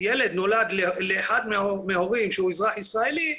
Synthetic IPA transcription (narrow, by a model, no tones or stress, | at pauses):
jeled̪no̞lad̪leleːħad̪meomehoʁimʃehuizʁaħisʁaeli